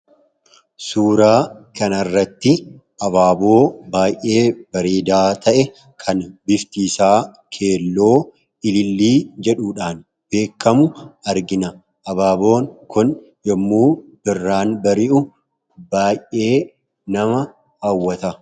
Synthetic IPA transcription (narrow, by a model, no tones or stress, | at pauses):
suːɾaːkɐnɐrːɐt̪ːɪ | ʔɐbaːbo̞ːbaːjʔe̞ːb̥ɐɾeːd̪aːt̪ʰɐʔɛ | kʰɐnbɪft̪iːsaː | kʰe̞ːlːo̞ː | ɪlɪlːiːd͡ʒɛᶑuːᶑaːn | b̥e̞ːkːɐmʊɐɾɡɪnɐ | ʔɐbaːbo̞ːŋkʊn | jɛmːuːb̥ɪrːaːnbɐɾɪʔʊ | baːjʔe̞ː | nɐmɐ | hɐwːɐt̪ɐ